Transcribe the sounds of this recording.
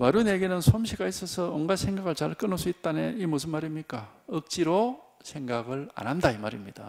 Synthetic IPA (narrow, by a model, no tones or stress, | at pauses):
waɾjuneɡenɯnsʰomɕʰiɡais͈ʌsʰʌonɡasʰe̞ŋɡaɡɯɭt͡ɕaɭk͈ɯnɯɭs͈uit̚t͈aneimusʰɯnmaɾimɲik͈aɯk̚t͡ɕ͈iɾosʰe̞ŋɡaɡɯɭa̰nɦandaimaɾimɲid̥a